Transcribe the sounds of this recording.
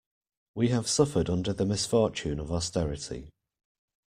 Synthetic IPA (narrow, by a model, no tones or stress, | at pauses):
wiəv̥sʌfədʌ̃ndəðəmɪsfɔˑt͡ʃʉ̃ːnəvɔstɛɹɪtʰḭ